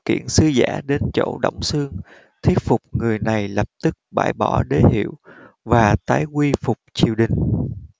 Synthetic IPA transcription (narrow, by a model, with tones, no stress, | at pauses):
kḭ˧˨ənsɨ˧za̰ː˧˥ɗe˧nt͡ɕo̰˧˨ɗo̰˧˩wŋ͡msɨ˧əŋ | t̪ʰi˦˥ət̚fʊ˨˩k͡p̚ŋɨ˨˩əjna˨˩jlə˨˩p̚t̪ɨ˦˥k̚ɓa̰ː˧˩jɓɔ˧˩ɗe˨˦hḭ˧˨əw | vaː˨˩t̪aː˨˦jkwi˧fʊ˨˩k͡p̚t͡ɕi˨˩əwɗï˨˩ŋ̟